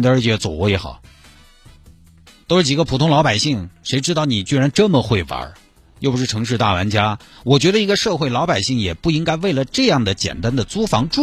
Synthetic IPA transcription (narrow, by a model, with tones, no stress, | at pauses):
nd̪ə˧ə˞˧˥t͡ɕjɛ˧˥t͡swɔ̰˨˩wɔ˧˥jɛ˧˥xɑ̰˨˩˦ | t̪o˥ʊʂɻ̩˥˩t͡ɕi˨˩ɡə˦pʰu˨˩t̪ʰʊ˥ŋlɑ˧˥ʊpa˨˩ɪɕi˥˩ŋʂe˧˥ɪʈ͡ʂɻ̩˥t̪ɑ˥˩ʊni˨˩t͡ɕy˥˧ɻa˧˥nʈ͡ʂɤ˥˩mə˩xwe˥˩ɪfa̰˧˥ | jpu˧˩ʂɻ̩ʰ˥˩ɤ˧˥ŋʂ̬ɻ̩˥˧t̪a̰˥˩wa̰˧˥nt͡ɕja˥wɔ˨˩t͡ɕɥɛ˧˥d̪ə˧i˧˥ɡə˧ʂɤ˥˧xwe˥˩ɪlɑ˧˥ʊpa˨˩ɪɕi˥˩ŋjɛ˨˩pu˥˩i˥ŋka˥ɪwe˥˩ɪlə˩ʈ͡ʂɤ˥˧jɑ˥˩ŋd̪ə˩t͡ɕjɛ̰˨˩nt̪a˥nd̪ə˨t͡su˥fɑ˧˥ŋʈ͡ʂu˥